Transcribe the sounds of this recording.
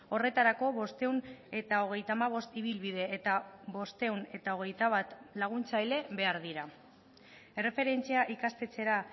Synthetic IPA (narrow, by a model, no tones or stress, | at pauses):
o̞re̞t̪aɾako̞βo̞st̪e̞une̞t̪ao̞ɣ̞e̞jt̪amaβ̞o̞st̪iβilβið̞e̞ʔːt̪aβo̞st̪e̞une̞t̪ao̞ɣ̞e̞jt̪aβ̞at̪laɣ̞unt͡sajle̞βe̞aɾðiɾa | ere̞fe̞ɾe̞nt͡siaʔikast̪e̞t͡se̞ɾa